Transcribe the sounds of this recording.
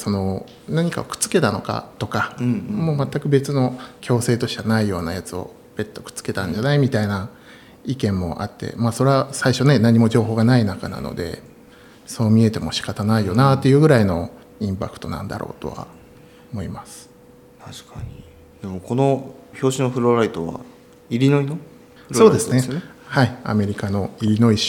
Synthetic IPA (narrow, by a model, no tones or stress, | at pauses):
so̞no̞ | naɲ̟ika̰okɯ̥t͡sɨ̥ke̞t̪ano̞ka̰t̪o̞kamo̞ːmat̪ːakɯ̟be̞t͡sɨno̞kʲʰo̞ːse̞ːt̪o̞ɕi̥kanaijo̞ːnajat͡sɨo̞̰ | b̥e̞t̪ːo̞kɯ̟̥t͡sɨ̥ke̞t̪ãɲ̟d͡ʑanaimʲit̪aina | ikẽ̞mːo̞̰ʔa̰t̪ːe̞̰maːso̞ɾeasaiɕo̞ne̞naɲ̟ːimo̞d͡ʑo̞ːɦo̞ːɡanainaka̰na̰no̞̰d̪e̞̰ | so̞ːmʲie̞t̪e̞mo̞ɕi̥kat̪anaijo̞nat̪ːe̞jɯ̟ːɡɯ̟ɾaino̞ | ĩmpakɯ̟̥t̪o̞nã̰nd̪a̰ɾʔo̞̰ːt̪o̞̰βa̰ | omo̞imasɨ̥ | t̪ʰaɕi̥kaɲi | d̪̥e̞mo̞ko̞no̞ço̞ːɕinoɸɯ̟ɾoɾait̪oβa̰ | iɾʲino̞ino | so̞ːd̪e̞sɨnehaia̰me̞ɾʲikano̞iɾʲino̞i